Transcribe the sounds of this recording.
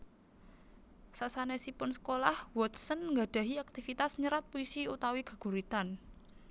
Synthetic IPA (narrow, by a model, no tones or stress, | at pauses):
sasanɛsipʊnsə̥kolahwɔt̪sənŋɡaɖ̥a̤ɦiak̚t̪ifit̪asɲəɾat̪̚puisiut̪awiɡ̥ə̤ɡ̥ṳɾit̪an